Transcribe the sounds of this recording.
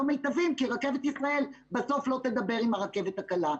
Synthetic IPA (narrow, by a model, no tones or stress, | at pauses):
omejt̪avimkiʁake̞vet̪isʁae̞l | beso̞flo̞t̪e̞d̪abe̞ʁimaʁake̞vet̪hakala